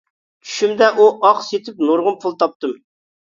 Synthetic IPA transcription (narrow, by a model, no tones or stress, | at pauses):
t͡ʃʰy̥ʃymd̪ɛʔuʔɑqset̪ʰɪp̚noɾʁʊmpʰʊlˠt̪ʰɑp̚t̪ɨm